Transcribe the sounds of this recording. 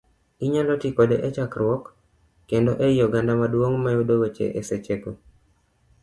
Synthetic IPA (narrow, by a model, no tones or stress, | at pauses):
iɲalɔtikɔdeʔet͡ʃakrwɔkː | endoʔejɔɡandamadwoŋmajudowet͡ʃḛʔeset͡ʃeko